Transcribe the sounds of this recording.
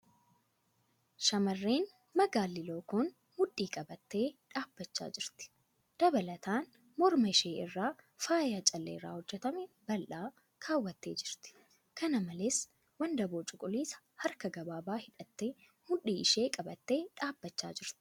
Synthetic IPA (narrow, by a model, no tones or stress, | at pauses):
ʃɐmɐrːeːn | mɐɡaːlːɪloːkoːn | mʊᶑːiːkʼɐbɐt̪ːe̞ːᶑaːb̥ːɐt͡ʃːa̰ːd͡ʒɪɾt̪ɪ̥ | d̪̥ɐbɐlɐt̪aːn | mɔɾmɐɪʃe̞ːɪrːaːfaːjaːt͡ʃʼɐlːeːrːa̰ːhɔd͡ʒːɛt̪ɐmɛbɐlʔaː | kʰaːwːɐt̪ːe̞ːd͡ʒɪɾt̪ɪ̥ | kʰɐnɐmɐleːs | wɐnd̪ɐboːt͡ʃʼʊkʼʊliːsɐ̥hɐɾkɐɡɐbaːbaːhɪᶑɐt̪ːe̞ː | mʊᶑiːɪʃeːkʼɐbɐt̪ːe̞ːᶑaːbːɐt͡ʃːa̰ːd͡ʒɪɾt̪ɪ̥